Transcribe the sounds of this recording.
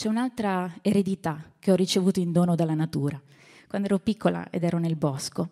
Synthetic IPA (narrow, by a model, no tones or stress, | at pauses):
t͡ʃɛunalt̪ɾaeɾed̪it̪ak̟eɔrːit͡ʃevuːt̪oind̪oːnod̪alːanat̪uːɾa | kwand̪oɛːɾopikʰːola̰ḛd̪ɛːɾonelbɔsko